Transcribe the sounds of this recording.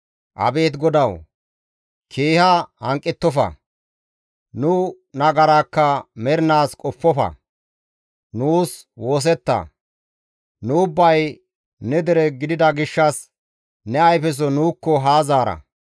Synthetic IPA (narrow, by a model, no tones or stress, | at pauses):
ʔɐ̰be̞ːt̪ɡɔd̪ɐw | kʰeːhahɐŋkʼːɪt̪ːɔfɐ̰ | nʊ | nɐɡɐɾaːkːɐmɛɾɪnaːskʼɔpːɔfɐ̰ | nuːswo̞ːs̬ɛt̪ːɐ̰ | nʊʊbːɐj | nɛd̪ɛɾɛɡɪd̪ɪd̪ɐɡɪʃːɐs | nɛɐjfɛs̬ɔnuːkːɔɦaːzaːɾɐ̰